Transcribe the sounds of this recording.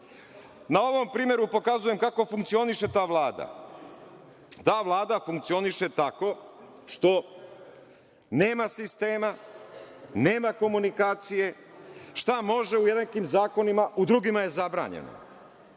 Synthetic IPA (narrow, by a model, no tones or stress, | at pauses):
nao̞ʋo̞mpɾiːmʲjeɾupo̞kazuje̞mkako̞fuŋk̚t̪sio̞niʃe̞t̪aːʋlˠaːd̪a̰ | t̪aːʋlˠaːd̪afuŋk̚t̪sio̞niʃe̞t̪ako̞ | ʃt̪o̞ | ne̞ːmasist̪e̞ːma | ne̞ːmako̞munikaːt̪sije̞ | ʃt̪amo̞ʒe̞ujed̪nakimzaːko̞nimaʔud̪ɾuɡimaje̞zabɾa̰ːɲḛno̰